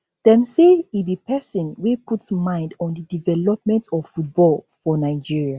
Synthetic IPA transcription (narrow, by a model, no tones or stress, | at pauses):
d̥ɛ̃mseibipʰɛsɔ̃nwepʰutmãɪ̃ndɔ̃ndədivɛlɔp̚mɛ̃ntɔffut̚bɔl | fɔnaɪd͡ʒiɹia